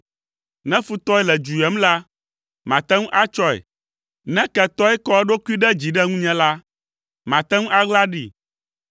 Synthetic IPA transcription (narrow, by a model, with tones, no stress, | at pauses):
nɛ̃˦fu˨t̪ɔ˦ɛ˦lɛ˨d͡ʒu˨jɛ˦mla˦ | mã˨t̪ɛ̃˦ŋũ˦ʔa˦t͡ʃɔ˦ɛ̰˨ | nɛ̃˦kɛ˨t̪ɔ˦ɛ˦kɔ˦ɛ˦ɖo˦ku˦i˦ɖɛ˦d͡ʑi˨ɖɛ˦ŋũ˦ɲɛ̃˦la˦ | mã˨t̪ɛ˦ŋũ˦ʔa˦ɡ͡bla˦ɖi˨